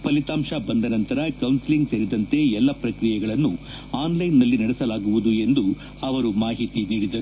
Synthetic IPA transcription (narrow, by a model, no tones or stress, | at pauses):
pɐlit̪aːmʂɐbɐnd̪ɐnɐnt̪ɐɾɐkɐwnsiliŋɡseɾid̪ɐnt̪e̞ɛlːɐpɾɐkɾijɛɡɐɭɐnːu | aːnlɐjnːɐlːinɐɽɛsɐlaːɡuʋud̪ue̞nd̪u | ɐʋɐɾumaːɦit̪iniːɽid̪ɐɾu